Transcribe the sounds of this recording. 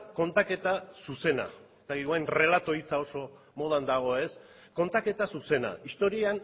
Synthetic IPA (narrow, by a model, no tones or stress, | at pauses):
ko̞nt̪ake̞t̪asuse̞na̰et̪akiðɣoajnre̞lat̪o̞it͡sao̞so̞ | mo̞ð̞and̪aɣ̞o̞e̞s | ko̞nt̪ake̞t̪asuse̞na̰ist̪o̞ɾian